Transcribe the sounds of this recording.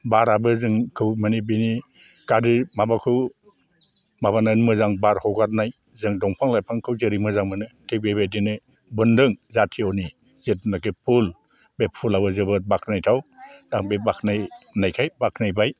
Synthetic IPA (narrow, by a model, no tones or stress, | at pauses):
baɾabɯzɯŋkʰɯwmanibini | kadɯmabakʰɯw | maβananmɯzaŋbaɾhɔɡat̚naj | zɯŋdɔŋpʰaŋlajpʰaŋkʰɯwzɯɾimɯzaŋmɯnɯkʰebebedinɯ | bɯndɯŋzatʰiɔni | zet̚nakɯpʰul | bepʰulabɯzɯbɯbakʰnajtʰawdaŋbebakʰnajnajkʰajbakʰnajbaj